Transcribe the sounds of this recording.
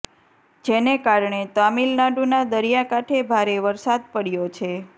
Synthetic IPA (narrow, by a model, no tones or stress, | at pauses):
d͡ʒenekaɾɳet̪amilnaɖunad̪əɾijakaʈʰebʱaɾeʋəɾsad̪̚pəɽjot͡ʃʰe